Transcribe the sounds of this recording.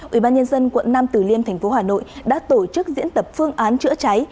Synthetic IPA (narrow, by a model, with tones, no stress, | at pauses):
ʔwi˧˩ɓaː˧nɲə˧nzə˧nkwə̰˧˨nːaː˧mt̪ɨ˨˩li˧ənt̪ʰɛ˨˩ŋ̟fo˨˦ɦaː˨˩no̰˧˨jɗa̰ː˧˥t̪o˧˩t͡ɕɨ˦˥k̚zḭ˧˥ənt̪ə˨˩p̚fɨ˧əŋʔaː˨˦nt͡ɕɨ̰˧˥ət͡ɕa˨˦j